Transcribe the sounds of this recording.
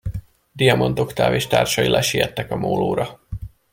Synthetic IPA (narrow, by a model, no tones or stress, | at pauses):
d̪ijɒmo̞nt̪okt̪a̰ːveːʃt̪a̰ːrʃɒilʔɛʃijɛt̪ːɛkɒmoːloːɾɒ